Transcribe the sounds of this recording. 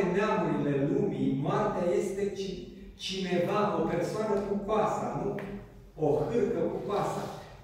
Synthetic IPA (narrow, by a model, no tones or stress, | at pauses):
eneamuɾile̞lumimart̪eaje̞st̪e̞t͡ʃi | t͡ʃine̞vao̞pe̞rsoanəkupasanu | ohɨrkəkupasa̰